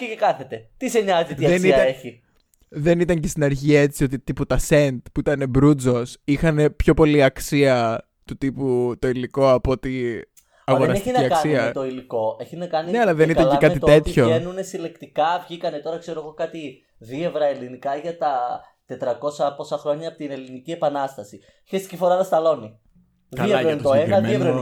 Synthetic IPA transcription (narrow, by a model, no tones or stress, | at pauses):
cecekɐθe̞t̪e̞t̪iseɲɐzit̪iðeniɐeçi | ðe̞nit̪ɐɲcest̪inɐɾçiɐe̞t͡sio̞t̪it̪iput̪ɐse̞nt̪puit̪ɐne̞bɾud͡zo̞sixɐne̞pço̞po̞liɐksiɐ | t̪ut̪iput̪o̞iliko̞ɐpo̞t̪i | ɐɣoɾɾɐseinɐiɐksɐniɐt̪o̞iliko̞eçinɐkɐnineɐlɐðeniɐlekɐt̪it̪t̪et̪çoenunesile̞kt̪ikɐvʝikɐnet̪o̞ɾɐkseɾo̞ɣo̞kɐt̪i | ðie̞vɾɐe̞linikɐʝɐt̪ɐ | t̪e̞t̪ɾɐko̞sɐpo̞sɐxɾo̞ɲɐpot̪ine̞linicie̞pɐnɐst̪ɐsi | çest̪i̥cifoɾɐðɐst̪ɐlo̞ni | ðkɐileɐt̪oseɐmeenɾ